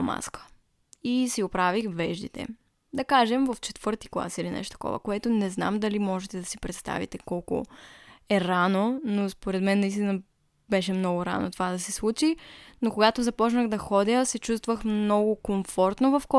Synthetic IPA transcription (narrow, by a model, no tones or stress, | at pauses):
ma̰skə̥ | isiɡopɾavixvɛʒd̪it̪ɛ̰ | d̪ɐkaʒɛmvɐft͡ʃɛt̪vɤɾt̪i̥klˠa̰silinɛ̰ʃt̪o̥t̪əkɔ̰və̰koɛt̪onɛzna̰md̪ɐlimɔʒɛt̪ɛd̪ɐsipɾɛt̪st̪a̰vḭt̪ɛkɔlˠko̰ɛɾanonospoɾɛd̪mɛnːɐist̪inə | bɛʃɛmnɔɡʊɾa̰no̰t̪ovad̪ɐsɛslˠut͡ʃinokoɡat̪ozɐpɔt͡ʃnəɣd̪ɐxɔd̪ʲəsɛt͡ʃus̬t̪vəxmnɔɡʊkoɱfɔɾt̪novɐfkɔ